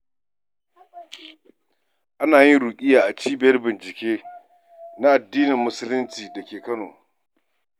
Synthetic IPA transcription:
ʔa˦naː˨jɪ˦nɽuː˨kʲʼɪ˦jaː˨ʔa˨t͡ʃiː˦bɪ˨jɐ˦rbɪ˨nt͡ʃɪ˨kʲeː˦ | na˦ʔa˨dːiː˦nɪ˨mːʊ˦sʊ˦lɪ˦nt͡ʃiː˨dɐ˨kʲeː˨kɐ˦no̰ː˨

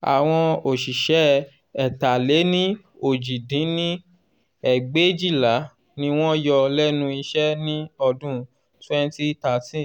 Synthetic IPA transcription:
a̰˨w̃ɔ̃˧o˨ʃi˨ʃɛ˨˦ | ɛ˨ta˨le˨˦nĩ˦ | o˦˨d͡ʒi˨dĩ˨˦nĩ˦ | ɛ˨ɡ͡be˦d͡ʒi˦˨la˨˦ | nĩ˧w̃ɔ̃˦jɔ˧lɛ˦nũ˦i˧ʃɛ˦nĩ˦ɔ˧dũ˦ | twɛ˦n˦ti˦ta˨˦tĩ˦˨

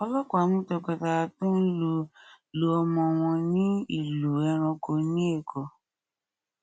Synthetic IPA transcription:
ɔ˧lɔ˦kɔ˨a˨˦mũ˦tɔ˧ka˧ta˧tũ˦i˦lu˧˨ | lo˧ɔ˧mɔ̃˧w̃ɔ̃˧nĩ˦ḭ˦˨lu˨ɛ˧ɾ̃ɔ̃˧ko˧nĩ˦e˦˨kʰɔ˨

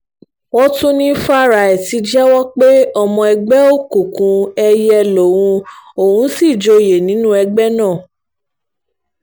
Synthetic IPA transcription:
wɔ˦tũ˦nĩ˦fa˦˨ɾa˨ɛ˨ti˧˦d͡ʒɛ˦wɔ˦k͡pe˦ɔ˧mɔ̃˧ɛ˧ɡ͡bɛ˦o˦˨kũ˨kũ˧ɛ˧jɛ˧lo˨wũ˧o˨ũ˨˦si˦˨d͡ʒo˧je˨nĩ˨˦nũ˦ɛ˧ɡ͡bɛ˦nãː˦˨

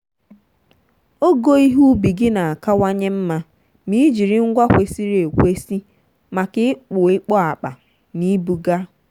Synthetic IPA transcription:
o˦ɡo˦i˦ɦu˦bi˨ɡɪ˦na˨a˨ka˦wa˦ɲe˦m̩˦ma˦ | mi˦d͡ʒi˨ɾɪ˦ŋ̩˦ɡʷa˦kʷe˨si˦ɾe˨kʷe˦si˦ | ma˨kɪ˦ɪ˦k͡pʊ˨ɪ˦k͡pɔ˦a˨k͡pa̰˨ | ni˦bu˨ɡa˦

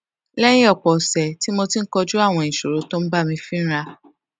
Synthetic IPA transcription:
lɛ̃˦ĩ˦ɔ˦˨k͡pɔ˨sɛ˨ti˦mo˧ti˦ŋ̩˦kɔ˧d͡ʒu˦a˦˨w̃ɔ̃˧ĩ˨ʃo˨ɾo˨˦tɔ̃˦m̩˦ba˦˨mĩ˧fĩ˦ñ̩˦ɾa˧

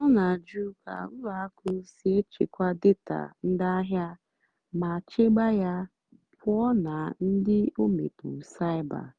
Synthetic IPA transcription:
ɔ˦na˨d͡ʒu˦ka̰˨˦la˨a˦kʊ˦se˦e˦t͡ʃḭ˨kʷa˦dɪ˦ta̰˨n̩˦da˦ɦja˦ | ma˨t͡ʃe˦ɡ͡ba˦ja˦ | pʰʊ˦ɔ˦na˨n̩˦dɪ˦o˦mḛ˨pu˨sa˦ɪ˦ba̰˨

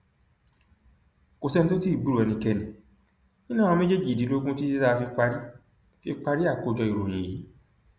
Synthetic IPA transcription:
ko˨sɛ˧nĩ˧to˦ti˦i˦˨bu˦ɾu˨ɛ˨˧nĩ˧kɛ˧nĩ˨ | ĩ˦nã˦˨ɔ̃˧me˦d͡ʒe˦d͡ʒi˦˨di˨˦lo˦ɡũ˦ti˦se˦ta˦˧fi˧k͡pa˧ɾi˦ | fi˧k͡pa˧ɾi˦a˦˨ko˨˧˨d͡ʒɔ˧i˨ɾo˨j̃ĩ˨ji˨˦

